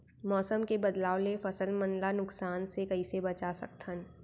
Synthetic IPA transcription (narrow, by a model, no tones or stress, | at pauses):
mɔːsəmkebɐd̪laːolefɐsəlmɐnlanʊksaːnsekɐisebɐt͡ʃasɐ̰k̚t̪ʰən